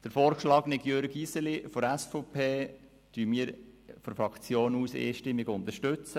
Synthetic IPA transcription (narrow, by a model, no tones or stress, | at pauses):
d̥əɾfoːɾʃlɑːknɪkjøɾɡisəlifɔɾæsfɔpʰeː | tyːmiːɾ | fɔɾfɾɑkʰt͡sjoːnuːsḛːʃtɪmːɪɡʊnd̪əɾʃtʉt͡sə